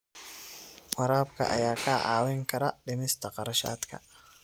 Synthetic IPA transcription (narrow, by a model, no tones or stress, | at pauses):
wɑɾaːbkʰɐ̰ʔɐ̰jaːkʰɐʔaːwɛŋkʰɐɾɐɖɪmɪst̪ʰɐqɑɾɐʃa̰ːd̪kʰɐ̰